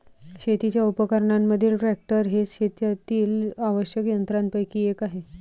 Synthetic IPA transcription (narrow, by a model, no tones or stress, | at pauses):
ɕet̪it͡ɕjaupəkəɾɳamːəd̪ʱiːlʈɾɾæk̚ʈəɾɦeɕet̪jat̪iːlaʋəɕjəkjənt̪ɾãnt̪̚pəjkiːekaɦe